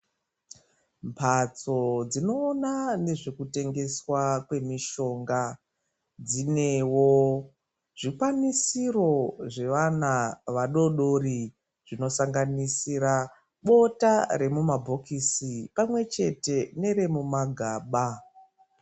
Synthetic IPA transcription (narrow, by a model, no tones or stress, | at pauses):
mpʰat͡so̞d͡zino̞ːnane̞ʐekute̞ŋɡe̞swakwe̞miʃo̞ŋɡa | d͡zine̞wo | ʐ̥ikwanisiro̞ʐe̞ʋanaʋaɗo̞ɗori | ʐino̞saŋɡanisiɾa | ɓo̞taɾe̞mumabʱo̞kisipamwe̞t͡ʃe̞te̞ne̞ɾe̞mumaɡʱaːɓa